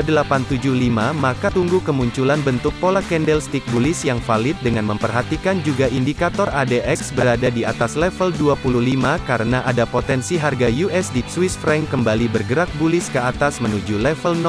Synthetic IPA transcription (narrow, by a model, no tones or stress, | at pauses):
dəlapant̪ud͡ʒuhlimamakat̪uŋɡukəmuɲt͡ʃulanbənt̪ʊk̚polakɛndɛlst̪ik̚bulɪsjaŋfalɪt̪̚dəŋanməmpərɦat̪ikand͡ʒuɡaʔindikat̪ɔradeʔɛksbəɾadadiat̪aslɛfəlduapuluhlimakaɾənaʔadapot̪ɛnsiɦarɡajuʔɛsdiswɪsfɾɛŋkəmbalibərɡəɾak̚bulɪskəat̪asmənud͡ʒulɛfəln